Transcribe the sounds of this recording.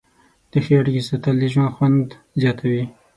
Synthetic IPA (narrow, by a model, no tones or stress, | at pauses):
d̪̥əxijɑɾkisat̪aliʒwanxwand̪ | zjɑt̪ʰawi